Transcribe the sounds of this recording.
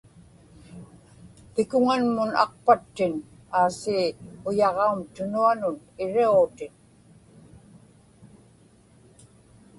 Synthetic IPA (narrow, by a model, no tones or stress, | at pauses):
pɪkʊŋanmʊnɑ̰q̚pat̪ːɪn | aːsiːʊjɑʁɑumt̪ʊnuanʊn | ɪɻiut̪ɪn